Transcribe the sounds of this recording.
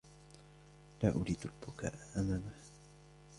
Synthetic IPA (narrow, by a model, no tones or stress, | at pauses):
laːʔʊɾiːd̪ʊlbʊka̰ːʔaʔamaːmah